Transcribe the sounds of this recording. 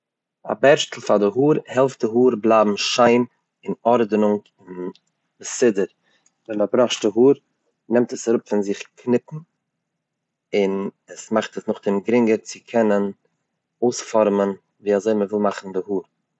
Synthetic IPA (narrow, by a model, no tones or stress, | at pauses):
a̰bɛɾʃtl̩ˠfadɪɦuːɾhɛlˠft̚dɪɦuːɾblˠabm̩ʃaɪm | ɪnɔɾdənʊŋk | ɪn | bəsɪdəɾ | vɛnmabɾɔχʃtdɪɦuːɾ | nɛmtəsaɾʊpfɪnzɪχkʰnɪpn̩ | ɪnəsmaχtəsnʊχdɪmɡɾɪŋɡəɾt͡sɪkʰɛnən | oʊsfɔɾmən | viːazoɪməvɪlˠmaχn̩dɪhuːɾ